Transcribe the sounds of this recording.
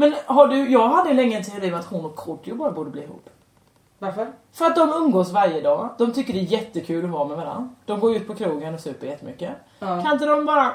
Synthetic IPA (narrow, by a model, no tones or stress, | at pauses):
mɛnɦaɖɵjɑːɡɦad̪ːəlɛŋːəɛnt̪ʰɛʊɾiːmɛat̪hʊnɔkʰːʊʈːjʊbɑːɾabuːɖəbliːɦṵːpː | aɾfœɾat̪̚d̪ɔmɵmɡoːsvaɾjəd̪ɑːd̪̥ɔmt̪ʰʏkːəɖɛːjɛt̪ːəkʰʉ̟ːlɔvɑːmɛvaɾa̰nd̪d̪̥ɔmɡoːɾʉ̟ːt̪̚pʰɔkʰɾuːɡənɔsʉ̟ːpəɾjɛt̪ːəmʏkːə | kʰanɪnt̪̬əd̪ɔmbɑːɾa